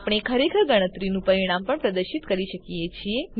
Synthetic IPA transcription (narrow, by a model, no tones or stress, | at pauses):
pɽ̃ekʰəɾekʰəɾɡəɽ̃ət̪ɾinũpəɾiɽ̃ampəɳpɾəd̪əɾʃit̪kəɾiʃəkijet͡ʃʰie